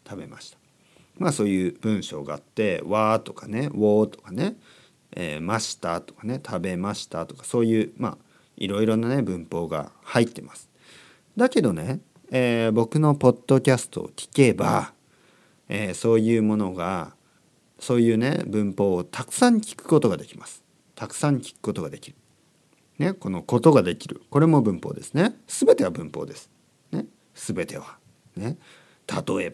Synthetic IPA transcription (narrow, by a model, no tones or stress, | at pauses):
t̪ʰabe̞maɕi̥t̪ḁ | maso̞ːjɯ̟ːb̥ɯ̟̃ɰ̃ɕo̞̰ːɡa̰at̪ːe̞βaːt̪o̞kane̞βo̞ːt̪o̞̥kane̞ | ḛːmaɕi̥t̪at̪o̞̥kḁne̞t̪ʰabe̞maɕi̥t̪at̪o̞kḁso̞ːjɯ̟ːma̰ | ḭɾo̞iɾo̞nane̞bɯ̟̃mpo̞ːɡa̰hait̪ːe̞masɨ̥ | d̪ake̞d̪o̞ne̞ | eːbo̞kɯ̟no̞po̞d̪̥ːo̞kʲasɨ̥t̪o̞̰o̰kʲi̥ke̞ba̰ | eːso̞ːjɯ̟ːmo̞no̞ɡa | so̞ːjɯ̟ːne̞̰bɯ̟̃mpo̞ːot̪ʰakɯ̟̥sãŋ̟kʲi̥kɯ̟̥ko̞t̪o̞ɡad̪e̞kʲi̥masɨ̥ | t̪akɯ̥sãŋ̟kʲi̥kɯ̟̥ko̞t̪oɡad̪e̞kʲiɾɯ̟ | ne̞ko̞no̞ko̞t̪o̞ɡad̪e̞kʲiɾɯ̟ko̞ɾe̞mo̞bɯ̟̃mpo̞̰ːd̪e̞sɨne̞sɨbe̞t̪e̞βabɯ̟̃mpo̞̰ːd̪esɨ̥ | ne̞ | sɨbe̞t̪e̞β̞a | ne̞ | t̪ʰat̪o̞e̞ba